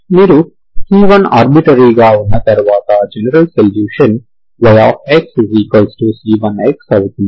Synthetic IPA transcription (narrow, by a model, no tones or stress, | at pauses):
miːɾu | siːʋɐna̰ːɾbiʈɐɾiɡaːunːɐt̪ɐɾʋaːt̪ɐd͡ʒenɐɾɐlsɐljuːʃɐn | ʋɐjaːfeksiziːkʋɐlsʈusiːʋɐneksɔʋt̪i